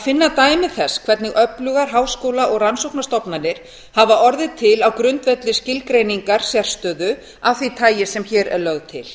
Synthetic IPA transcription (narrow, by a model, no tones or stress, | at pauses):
afɪnːat̪aːjmɪθɛsːkʰvɛɾt̪nɪɣʔœplʏɣaɾ̥ɦaːwskowlaʔɔɣransowknast̪ɔpnanːɪɾ̥ | havaʔɔɾðɪt̪ʰɪlawkɾʏnt̪vɛt̪lɪscɪlkɾejniŋkaɾ̥sjɛɾ̥st̪œːðʏ | awθit̪ʰaːjɪsɛmçɛːɾɛ̰ɾlœɣðt̪ʰɪl